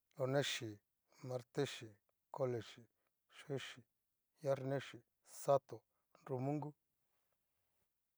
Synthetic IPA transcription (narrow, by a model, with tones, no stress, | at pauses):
lo˧nẽ˦ʃi˨ | mã˧ɾt̪e˦ʃi˨ | ko˧le˨ʃi˨ | ʃe˦ʃi˨ | ja˦ɾnẽ˦ʃi˨ | sa˦t̪o˨ | nɾu˧mũ˦ŋɡu˦